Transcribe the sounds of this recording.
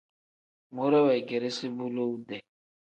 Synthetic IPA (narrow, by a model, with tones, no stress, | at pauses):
mu˦ɾɛ˦wɛ˨ɡe˨ɾe˦si˦bu˦lo˦u˦dɛ˨